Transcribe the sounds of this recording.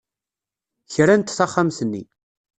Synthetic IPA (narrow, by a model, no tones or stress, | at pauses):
çɾænt̪θaχːamθənːḭ